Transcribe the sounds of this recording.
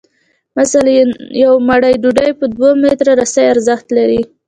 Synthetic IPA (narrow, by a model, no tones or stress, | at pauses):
masaljawmaɽajɖuɖajpəd̪womet̪ɾaɾasajaɾzaxt̪laɾi